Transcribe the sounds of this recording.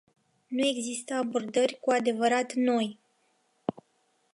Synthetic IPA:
nue̞ɡzist̪əabo̞rd̪ərʲkuad̪e̞vəɾat̪no̞j

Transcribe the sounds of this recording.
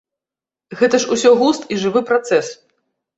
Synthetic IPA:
ɣɛt̪ɐʂusʲɔɣust̪iʐɨvɨpɾat̪sɛs

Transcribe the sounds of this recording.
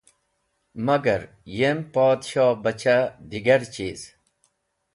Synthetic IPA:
mɐɡɐɾ | jempɔːd̪ɕɔːbɐt͡ɕad̪iɡɐɾt͡ɕiːz̥

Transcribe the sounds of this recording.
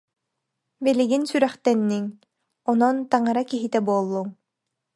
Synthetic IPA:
bɛliɡinsyɾɛχt̪ɛnːiŋ | ɔnɔnt̪aŋaɾakiɦit̪ɛbuɔlˠːuŋ

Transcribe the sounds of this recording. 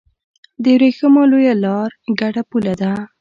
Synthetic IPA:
d̪əwɾexəmɑlojalɑɾɡaɽapulad̪a

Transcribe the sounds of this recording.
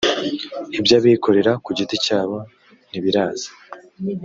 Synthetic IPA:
ibjaβikʰo̞ɾe̞ɾakuɟiticaːβa | n̥iβiɾaːzḁ

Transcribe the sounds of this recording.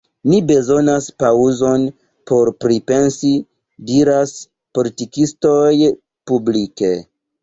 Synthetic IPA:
nibe̞zo̞naspauzo̞n | pʰo̞ɾpɾipe̞nsi | diɾas | po̞litikisto̞j | publike̞

